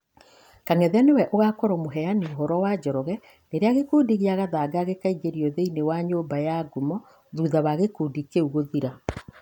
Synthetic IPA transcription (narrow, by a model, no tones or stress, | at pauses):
kaŋɛðeanewɛʔoɣakɔɾɔmoɦɛanioɦɔɾɔwad͡ʑɔɾɔɣɛ | neɾeaɣekuːdiɣeaɣaðaɡaɣekaiɡeɾiɔðeinewaɲoːmbajaɡumɔ | ðuːðaβaɣekuːdikeuɣoðiɾa